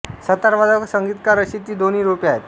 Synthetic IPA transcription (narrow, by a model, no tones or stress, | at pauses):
sət̪aɾʋad̪ʱəksəŋɡit̪kaɾəɕiːt̪iːd̪oniːɾupjaet̪